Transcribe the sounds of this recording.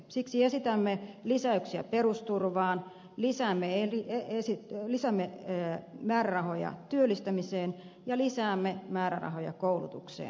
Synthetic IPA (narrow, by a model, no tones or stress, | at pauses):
siksiesit̪æmːelisæyksiæ̰perust̪urʋɑːn | lisæːmːeerieesilisæmːe | mæːɾærɑhojɑ̰t̪yølːˑist̪æmiseːn | jɑlisæːmːemæːɾæ̰rɑ̰hojɑ̰koulut̪uksḛːn